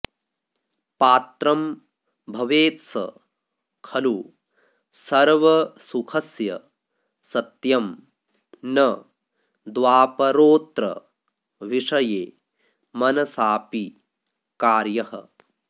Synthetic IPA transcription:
paːt̪ɾɐm | bʱɐʋeːt̪sɐ̰ | kʰɐlu | sɐɾʋɐsukʰɐsjɐ̰ | sɐt̪jɐm | nɐ | d̪ʋaːpɐɾoːt̪ɾɐ̰ | ʋiʂɐjeː | mɐnɐsaːpi | kaːɾjɐhɐ̰

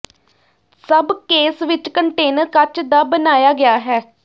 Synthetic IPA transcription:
səbkeːsʋɪt͡ʃkəɳʈeːnəɾkət͡ʃd̪aːbənaːjaːɡɪjaːɦɛː

